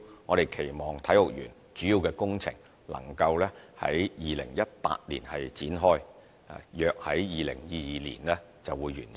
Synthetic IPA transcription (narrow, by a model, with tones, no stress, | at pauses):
ŋɔː˨˧ɾe˨jkʰe˨˩jmɔː˨ŋt̪ʰɐ˨˥jlʊ˨k̚jyː˨˩n | t͡ʃyː˨˥jiː˨˧wkɛː˧kʊ˥ŋt͡sʰɪ̰˨˩ŋ | lɐ̰˨˩ŋkɐ˧wlɛː˥hɐ̰˨˥jjiː˨lɪ̰˨˩ŋjɐ˥t̚pa̰ː˧t̚lḭː˨˩nhɐ˨jt͡siː˨˥nɦɔː˥j | a̰˨jœː˨k̚hɐ˨˥jjiː˨lɪ̰˨˩ŋjiː˨˧jiː˨˧lḭː˨˩nlɛː˥ | t͡sɐ˨wuː˨˧jːy̰ː˨˩n